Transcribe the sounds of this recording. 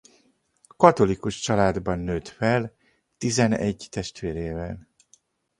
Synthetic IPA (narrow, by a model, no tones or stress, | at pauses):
kɒt̪o̞likuʃt͡ʃɒlaːd̪bɒnːøːt̪fɛl | t̪izɛnɛ̰ɟt̪ɛʃt̪ʋeːɾeːvɛl